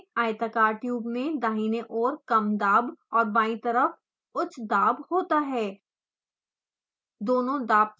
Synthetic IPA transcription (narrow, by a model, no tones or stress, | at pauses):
aːɪt̪əkaːɾʈjuːbmẽd̪aːɦiːneʔɔːɾkɐmd̪aːbɔːɾbaːĩt̪ɐɾəf | ʊt͡ʃʰd̪aːbhoːt̪aɦɛː | d̪oːnõd̪aːb̚